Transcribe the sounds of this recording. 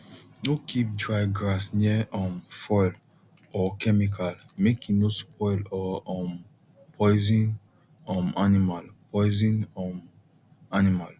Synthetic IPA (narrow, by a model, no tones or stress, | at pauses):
nokʰip̚dɹajɡɹasniɛɔ̃mfɔjl | ɔkɛmikal | mekinospʰɔjlɔɔ̃m | pʰɔjzĩn | ɔ̃manimalpɔɪzĩnɔm | animal